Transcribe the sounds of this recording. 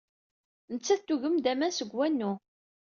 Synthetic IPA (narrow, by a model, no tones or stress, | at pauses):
nət͡sːæt̪ːuʝəmd̪æmænsəɡwænːu